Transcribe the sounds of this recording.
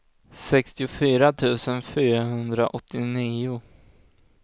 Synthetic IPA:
sɛkst̪ɪʊfyːɾat̪ʰʉ̟ːsənfyːɾaɦɵnd̪ɾa̰ʔɔt̪ʰːɪniːʊ

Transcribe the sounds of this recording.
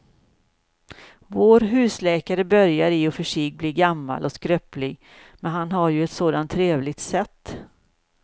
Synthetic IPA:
voːɾɦʉ̟ːslɛːkaɾəbœɾjaɾɪɔfœʂiːɡ̚bliːɡamːa̰lʔɔskɾœplɪɡ | mɛnɦanɦaɾjɵɛt̪soːd̪ant̪ʰːɾeːvlɪɡ̚t̪sɛt̪ː

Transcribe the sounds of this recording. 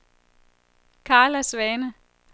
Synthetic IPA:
kʰɑ̈ːlæsʋɛːnə

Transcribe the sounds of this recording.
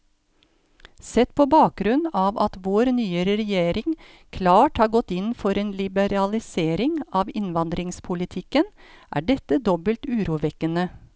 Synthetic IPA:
sɛt̪pʰoːbɑːk̚ɡɾʉnɑːʋɑt̪ʋoːɾnyːəɾəɾɛjeːɾɪŋ | kʰlɑːʈhɑːɾɡɔt̪ːɪnfɔɾeːnlɪbəɾɑlɪseːɾɪŋɑːʋɪnʋɑnd̪ɾɪŋspʰʊlɪt̪ʰɪkənʔæ̰ːɖɛt̪əd̪ɔbəlt̪ʉːɾuːʋɛkənə

